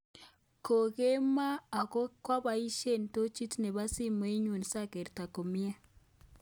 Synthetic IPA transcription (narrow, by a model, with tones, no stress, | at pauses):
ko˨ɣe˦maː˦˨ɣo˦kwa˦βa˦i˦ʃe˦˨n˨to˦t͡ʃi˦tne˨βa˦si˦mo˨˦e˦ɲu˨n˨sa˦ke˨ɾta˨ko˨mja˦